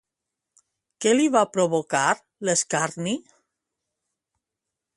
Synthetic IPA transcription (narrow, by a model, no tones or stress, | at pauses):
keliβapɾoβokaɾ | leskaɾni